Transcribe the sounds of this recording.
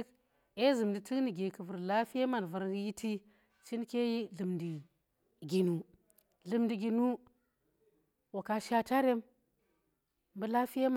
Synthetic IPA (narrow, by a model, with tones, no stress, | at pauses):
k | e˦zɨ˨mdi˨ti˦kni˨ɡe˨kə˨vu˨ɾla˦fi˦je˦ma˨n˨vu˨˦ɾji˦tʰi˦ | t͡ʃi˦nke˦ji˦ɮɨ˨mdi˨ | ɡʲi˨nu˨ | ɮɨ˨mdi˨ɡʲi˨nu˦ | wo˨ka˦ʃa˦ta˦ɾe˦m | m˦bu˦la˦fi˦je˦m˨